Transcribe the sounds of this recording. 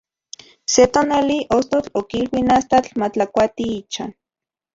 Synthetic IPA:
set̪oːnaliʔost̪ot͡ɬokilwinast̪at͡ɬmat͡ɬakʷat̪iit͡ʃan

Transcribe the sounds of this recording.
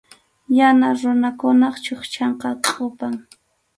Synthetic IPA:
janaɾʊnakʊnɑχt͡ʃoχt͡ʃɑɴqɑkʼʊpaŋ

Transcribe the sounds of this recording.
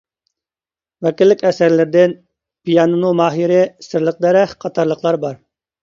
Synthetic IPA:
wɛkʲilːɪkʲɛsæɾlɪɾd̪ɪn | pijɑnɨnumɑːɦiɾɪsɪɾlˠəq̚d̪ɛɾɛχqʰɑt̪ʰɑɾlˠəqʰlˠɑɾbɑɾ

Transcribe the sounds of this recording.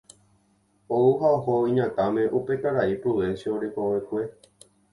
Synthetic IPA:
ouɦaohoĩɲãt̪amẽ̞ʔupe̞kaɾaipɾoʋẽ̞nsjooɾekowekʷe̞

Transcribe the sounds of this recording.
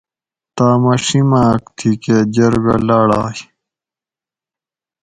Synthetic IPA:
t̪aːmɐʂimaːkt̪ʰiked͡ʑɐɾɡɐ̰laːɽa̰ːj

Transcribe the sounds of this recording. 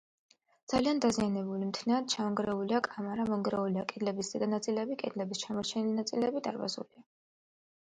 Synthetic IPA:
d̪z̥aliand̪azianɛbulimt̪ʰnɛat̪̚t͡ʃʰaɔŋɡɾɛuliakʼamaɾamɔŋɡɾɛuliakʼɛd̪lɛbiszɛd̪anat̪sʼilɛbikʼɛd̪lɛbist͡ʃʰamɔɾt͡ʃʰɛnilinat̪sʼilɛbid̪ʼa̰ɾva̰zṵlia

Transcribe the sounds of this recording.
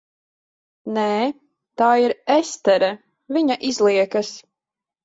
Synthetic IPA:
nɛː | t̪aːiɾɛst̪ɛɾa | viɲaʔizlˠiɛkɐs

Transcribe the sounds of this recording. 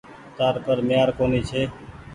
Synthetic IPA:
t̪aːɾpəɾmɪjaːɾkoːniːt͡ʃʰeː

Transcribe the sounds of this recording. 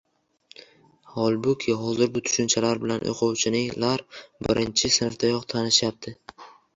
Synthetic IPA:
hɒlˠbʊkʲʰɪɦɒzɪɾbʊt̪ʰʊ̥ʃʊnt͡ʃʰalaɾbɪlanʔo̰qʰʊwt͡ʃʰɪnɪlaɾbɪɾʔɪnt͡ʃʰɪsɪnɪft̪ʰajɒqt̪ʰanɪʃjap̚t̪ʰɪ

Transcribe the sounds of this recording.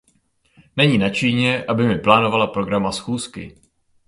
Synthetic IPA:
nɛɲiːnat͡ʃiːɲɛʔabɪmɪplaːno̞valapɾo̞ɡɾamasxuːskɪ̰

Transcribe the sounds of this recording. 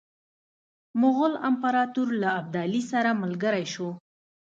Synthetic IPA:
mʊɣʊla̰mpaɾɑt̪uɾlaːb̚d̪ɑlisaɾamalɡəɾajʃo

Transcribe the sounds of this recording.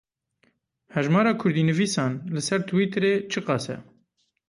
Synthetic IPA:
hɛʒmɑːɾɑːkʰʊɾd̪iːnɨviːsɑːnlɨsɛɾt̪ʰɨwiːt̪ʰɾeːt͡ʃʰɨqɑːsɛ̰

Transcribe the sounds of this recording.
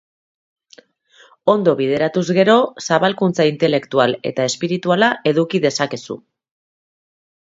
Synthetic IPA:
o̞nd̪o̞βið̞e̞ɾat̪uzɣe̞ɾo̞saβalkunt͡saint̪e̞le̞kt̪uale̞̰t̪aespiɾit̪ualaʔe̞ðukiðe̞sake̞sṵ

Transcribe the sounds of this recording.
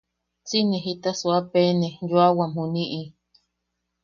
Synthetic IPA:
t͡sinẽɦit̪asuapenejuawamhuniʔi

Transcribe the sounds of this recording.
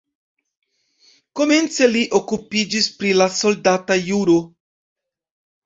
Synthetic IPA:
ko̞me̞nt͡se̞liʔokupid͡ʒispɾilaso̞ldatajuɾo

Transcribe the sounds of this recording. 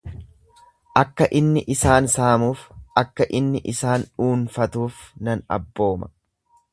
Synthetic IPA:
ʔɐkːɐʔɪnːɪʔɪsaːnsaːmuːfɐkːɐʔɪnːɪʔɪsaːnuːnfɐt̪uːfnɐnɐ̰bːo̞ːmɐ

